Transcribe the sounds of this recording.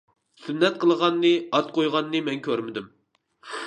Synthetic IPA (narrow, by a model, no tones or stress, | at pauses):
synːɛt̪̚qʰəlˠəʁɑnːɨɑt̪̚qʰojʁɑnːɨmɛnkʲʰøɾmɪd̪ym